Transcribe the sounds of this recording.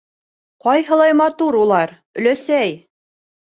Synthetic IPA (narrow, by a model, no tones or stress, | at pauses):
qɒjɦɤ̆lˠɑjmɑt̪uɾulˠɑɾ | ɵ̆læsæj